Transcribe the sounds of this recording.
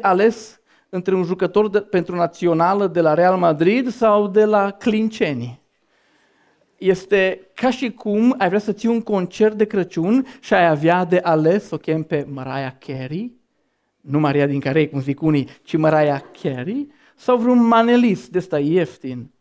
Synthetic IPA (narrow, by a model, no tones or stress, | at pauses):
ʔale̞s | ɨnt̪ɾeunʒukət̪o̞rpe̞nt̪ɾunat̪sio̞naləd̪e̞laɾe̞almad̪ɾid̪sawd̪e̞laklint͡ʃenʲi | je̞st̪e̞kaʃikʰumajvɾeasət̪siuŋko̞nt͡ʃert̪̚d̪e̞kɾət͡ʃunʃiajavjad̪e̞ʔale̞sokʲempe̞məɾajakʰʲeɾi | numaɾiad̪iŋkaɾejkumzikunit͡ʃiməɾajakʲʰeɾi | sawvɾeunmanelist̪d̪est̪aeft̪in